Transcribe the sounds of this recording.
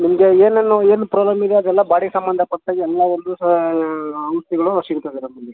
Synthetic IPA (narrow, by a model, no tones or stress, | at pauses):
nimɡeeːnenːueːnupɾaːblɐmid̪eɐd̪ɾɛlːɐbaːɽiɡsɐmbɐnd̪ʱɐpɐʈːɐɡɛlːɐʋond̪u | ɐmst̪iɡɐɭusiɡut̪ad̪iɾɐnɐlːi